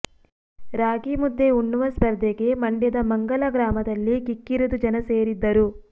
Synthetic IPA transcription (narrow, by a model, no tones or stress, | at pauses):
ɾaːɡimud̪ːeuɳːuʋɐspɐɾd̪eɡe̞mɐɳɖɐd̪ɐmɐŋɡɐlɐɡɾaːmɐd̪ɐlːikikːiɾud̪ud͡ʒɐnɐse̞ːɾid̪ːɐɾu